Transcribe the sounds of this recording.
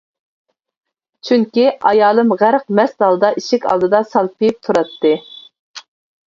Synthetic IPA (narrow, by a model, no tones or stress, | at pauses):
t͡ʃʰyŋkʲiɑ̰jɑːlˠɨmʁæɾq̚mɛst̪d̪ɑlˠd̪ɑʔiʃɪkʲʰɑ̰lˠd̪ɨd̪ɑsɑlˠpʰijip̚t̪ʰuɾɑt̪ʰːɨ